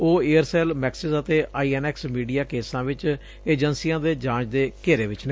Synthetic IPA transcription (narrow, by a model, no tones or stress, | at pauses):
oːeːəɾsɛːlmɛːksɪzət̪eːʔaːiːɛːnɛːksmiːɖijaːkeːsãːʋɪt͡ʃ | eːd͡ʒənsijãːd̪eːd͡ʒãːt͡ʃd̪eːkeːɾeːʋɪt͡ʃne